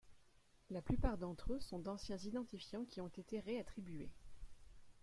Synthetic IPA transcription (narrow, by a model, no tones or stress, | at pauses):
laplypaʁd̪ɑ̃t̪χøsɔ̃d̪ɑ̃sjɛ̃zid̪ɑ̃t̪ifjɑ̃kʲiɔ̃t̪et̪eʁeat̪χibɥḛ